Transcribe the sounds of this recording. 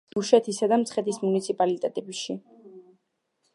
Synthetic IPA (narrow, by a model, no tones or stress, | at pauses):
d̪̥uʃɛt̪ʰisad̪amt̪sʰχɛt̪ʰismunit̪sʰipʼalit̪ʼɛt̪ʼɛbiʃi